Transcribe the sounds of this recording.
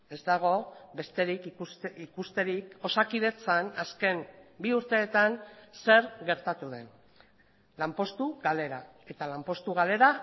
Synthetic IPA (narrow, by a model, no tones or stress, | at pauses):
e̞zd̪aɣ̞o̞be̞st̪e̞ɾikusikust̪e̞ɾiko̞sakið̞e̞t͡sanaske̞nbiuɾt̪e̞ːt̪anse̞ɾɣe̞ɾt̪at̪uðe̞n | lampo̞st̪uɣale̞ɾa | e̞t̪alampo̞st̪uɣ̞ale̞ɾa